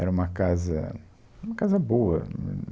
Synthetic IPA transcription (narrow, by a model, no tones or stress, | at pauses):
ɛɾɐũmɐkazɐ̰ | ũmɐkazɐboɐ